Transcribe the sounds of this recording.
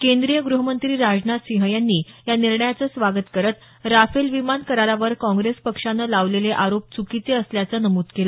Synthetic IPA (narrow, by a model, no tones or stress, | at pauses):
kẽnd̪ɾijəɡɾuɦəmənt̪ɾiːɾad͡znat̪siɦəjanːiːjaniɾɳəjat͡səsʋaɡət̪kəɾət̪ | ɾafelʋimankəɾaɾaʋəɾkɔ̃ŋɡɾespəkʂanːəlaʋleleʔaɾop̚t͡sukit͡seəsljat͡sənəmuːd̪kela